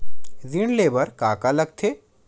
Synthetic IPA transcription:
ziɽleːbəɾkaːkalɐɡ̚t̪ʰeː

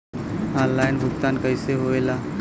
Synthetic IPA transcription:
ɦãːlaːɪnbʱʊkt̪aːnkəɪseɦoelaː

